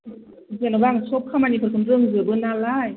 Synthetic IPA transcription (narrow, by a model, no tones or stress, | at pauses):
zinawbaːŋt͡ɕʰop̚kʰaːmanikʰːnɾɯəŋzɯbɯnːaːlaːj